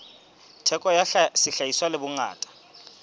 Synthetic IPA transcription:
tʰɛkʼɔjasɪɬajiswalebuŋa̰ːtʼḁ

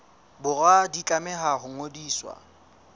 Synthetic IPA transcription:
bʊradikʼamɛɦaɦʊŋodiːswa̰

